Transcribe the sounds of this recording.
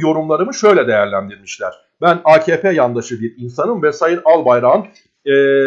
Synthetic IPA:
jo̞ɾumlˠaɾɯmɯʃø̞jlʲɛd̪e̞jæɾlʲænd̪iɾmiʃlʲæɾ̥ | bænaːcʰeːpʰejand̪aʃɯd̪iinsanɯmvɛsajɯnalˠbajɾan | ɛː

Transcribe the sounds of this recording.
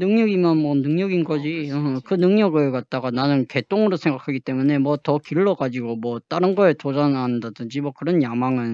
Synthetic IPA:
nɯŋɲʌɡimjʌnmwʌnɯŋɲʌɡinɡʌd͡ʑiʌkɯnɯŋɲʌɡɯɭkat̚t͈aɡananɯnke̞t͈oŋɯɾosʰeŋɡakʰaɡit͈e̞mune̞mwʌtʌkiɭːʌɡad͡ʑiɡomwʌt͈aɾɯnɡʌetod͡ʑananndadɯnd͡ʑimwʌkɯɾʌnjamaŋɯn

